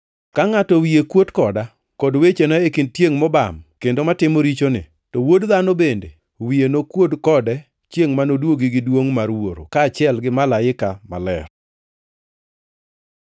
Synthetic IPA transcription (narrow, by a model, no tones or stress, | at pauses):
kaŋatɔwiekwodkɔda | kɔdwet͡ʃenaekindtjeŋmɔba̰mkendomatɪmoɾit͡ʃonɪ̰ | tɔwodðanobende | wienokwodkɔdɛ | t͡ʃjeŋmanodwoɡɪɡɪdwoŋmarwoɾo̰kaːt͡ʃɪɛlɡɪmalaɪkama̰lɛ̰r